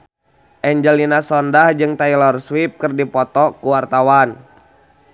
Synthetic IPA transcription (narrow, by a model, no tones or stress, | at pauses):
ʔɛɲd͡ʒəlinasɔndahd͡ʒɨŋt̪ailɔrswip̚kɨrdipɔt̪ɔkuwart̪awan